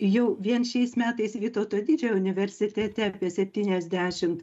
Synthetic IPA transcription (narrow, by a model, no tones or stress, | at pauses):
jɛʊʋʲiɛnʃʲɛɪsmʲæːt̪ɐɪsʋʲiːt̪oːt̪oːd̪ʲiːd͡ʒʲɛjɛʊnʲɪʋʲɛɾʲsʲɪt̪ʲɛt̪ʲɛɐpʲiɛsʲɛpʲt̪ʲiːnʲɛzʲd̪ʲæːʃʲɪmt̪